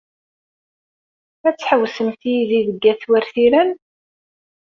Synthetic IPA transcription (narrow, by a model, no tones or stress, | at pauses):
æt͡sːħəwsəmθijiðiðəɡːæθwæɾθiɾæn